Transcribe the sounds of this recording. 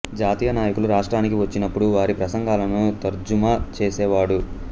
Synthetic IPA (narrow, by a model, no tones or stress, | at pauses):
d͡ʒaːt̪iːjɐnaːjɐkuluɾaːʂʈɾaːnikiʋɐt͡ʃːinɐpːuɽuʋaːɾipɾɐsɐŋɡaːlɐnut̪ɐɾd͡ʒumat͡ʃeːsɛːʋaːɽu